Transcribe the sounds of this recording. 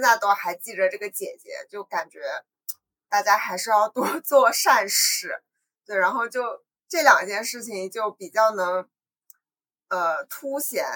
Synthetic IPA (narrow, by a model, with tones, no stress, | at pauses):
na˥˩t̪wo˥xa˧˥ɪt͡ɕi˥˩ʈ͡ʂə˩ʈ͡ʂɤ˥˩ɡə˩t͡ɕjɛ˨˩t͡ɕjɛ̰˧˥t͡ɕjo˥˩ʊka˨˩nt͡ɕɥɛ˧˥ | t̪a˥˧t͡ɕja˥˩ɪxa˧˥ɪʂɻ̩˥˧jɑ˥˧ʊt̪wɔ˥t͡swɔ˥˧ʂa˥˧nʂɻ̩˥˩˦ | t̪we˥˩ɪɻa˧˥nxo˥˧ʊt͡ɕjo˥˧ʊ | ʈ͡ʂɤ˥˩ljɑ˨˩ŋt͡ɕjɛ˥˧nʂɻ̩˥˩t͡ɕʰi˨˩ŋt͡ɕjo˥˩ʊpi˨˩t͡ɕjɑ˥˩ʊnɤ˧˥ŋ | ə˧t̪ʰu˥ɕjɛ̰˨˩˦